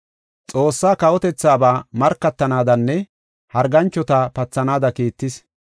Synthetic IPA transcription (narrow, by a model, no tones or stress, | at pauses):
t͡sʼo̞ːsːaːkɐwɔt̪ɛt͡sːaːbaːmɐɾkːɐt̪ːɐnaːd̪ɐnːɛ | hɐɾɡɐnt͡ʃːɔt̪apɐt͡sːɐnaːd̪ɐkiːt̪ːɪs